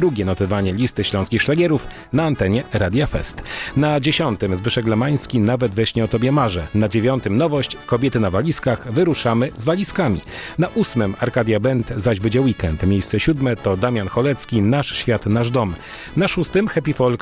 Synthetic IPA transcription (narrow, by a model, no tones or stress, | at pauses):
ɾuɡʲɛnɔt̪ɔvaɲɛlʲist̪ɘɕlɔ̃w̃skʲixʂlaɡʲɛɾuf | naːnt̪ɛɲɛɾad̪ʲjafɛ̰st̪nad͡ʑeɕɔnt̪ɘmzbɘʂɛɡlɛmaj̃skʲinavɛd̪vɛɕɲɛɔt̪ɔbʲjɛmaʐɛnad͡ʑevʲjɔnt̪ɘmnɔvɔɕt͡ɕkɔbʲjɛt̪ɘnavalʲiskaxvɘɾuʂamɘzvalʲiskamʲḭnaʔusmɘmaɾkad̪ʲjabɛnt̪zaʑbɘd͡ʑɛwikɛnt̪mʲjejst̪sɛɕud̪mɛt̪ɔd̪amʲjanxɔlɛt̪skʲinaʂɕfʲjat̪naʐd̪ɔm | naʂust̪ɘmxɛpʲifɔlk